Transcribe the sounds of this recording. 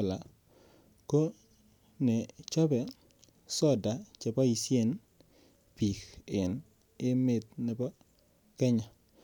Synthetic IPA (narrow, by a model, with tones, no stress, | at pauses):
la˨ | ko˦ | ne˨t͡ʃɔ˦bɛ˨ | sɔ˦˨da˨t͡ʃe˨pa˦i˨sje˦˨n | pi˨kɪ˨n | ɪ˦mɪ˦t̪̚nɪ˨pɔ˦ | kɛ˦ɲa˨